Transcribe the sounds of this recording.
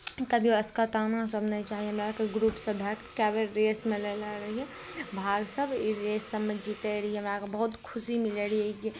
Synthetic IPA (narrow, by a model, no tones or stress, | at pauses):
k̪əbʱiɐskət̪anãsəbʱnət͡ʃaːɦiɦɐmɾakeɡɾuːpsəbʱɛkkɛːbeɾːeːsmeleleɾəɦiɛ | bʱaːɡsəbʱiɾeːsːəbmẽd͡ʒiːt̪eɾəiɛɦɐmɾakebɐɦʊt̪kʰʊsimɪleɾieɡi